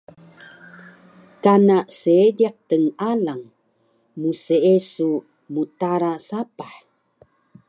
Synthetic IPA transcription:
kanaʔseediaq̚t̪əŋalaŋ | museesu | mut̪aɾasapaħ

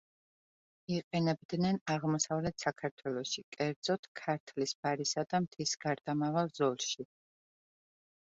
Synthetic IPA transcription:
iqʼɛnɛbd̪nɛnaʁmɔsavlɛt̪ʰsakʰaɾt̪ʰwɛlˠɔʃikʼɛɾd̪zɔt̪ʰkʰaɾt̪ʰlisb̥aɾisad̪amt̪ʰisɡ̥aɾd̪amavalˠzɔlˠʃi

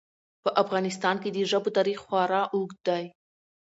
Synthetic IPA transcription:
pəʔafɣɑnɪs̬t̪ɑnked̪əʒəbot̪ɑɾixxwɑɾɑʔuɡd̪aj

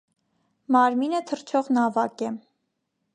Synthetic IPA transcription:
mɑɾminət̪ʰərt͡ʃʰɔʁnɑvɑkɛ

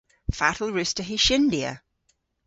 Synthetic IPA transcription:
fatʰəl̩ˠɹʉˑstəɦɪʃɪ̃ndiə̰

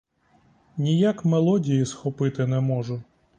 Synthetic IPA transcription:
nʲijakmelˠɔdʲijisxɔpɪt̪ɪnɛmɔʒʊ

